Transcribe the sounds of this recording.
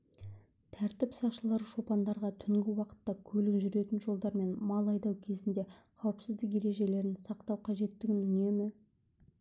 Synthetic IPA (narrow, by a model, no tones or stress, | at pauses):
t̪ʰæɾt̪ɪpsɑqʃəlˠɑɾʃo̞pɑnd̪ɑɾʁɑt̪ʰʏŋɡʲɪwɑqə̥t̪ːɑkʲʰɵlɪkʒʏɾe̞t̪ɪnʒo̞lˠd̪ɑɾme̞nmɑlˠɑjd̪ɑwkʲʰe̞zɪnd̪e̞ | qʰɑwəpsɪzd̪ɪk̬je̞ɾe̞ʒe̞le̞ɾɪnsɑqt̪ɑwqʰɑʒe̞t̪ːɪkʲɪnʏne̞mɪ